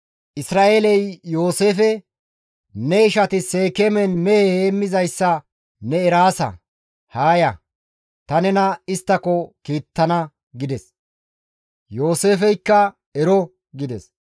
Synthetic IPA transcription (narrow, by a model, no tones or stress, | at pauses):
ʔɪsɾaːʔeːlɛjjo̞ːse̞ːfɛ | nɛɪʃɐt̪ɪseːkemɛnmɛeheːmːɪzɐjsːɐ | nɛːɾaːsɐ̰ | haːjɐ | t̪ɐnɛnɐɪst̪ːɐkːɔkiːt̪ːɐnɐ | ɡɪd̪ɛs | jo̞ːse̞ːfɛjkːɐ | ɛɾɔ | ɡɪd̪ɛs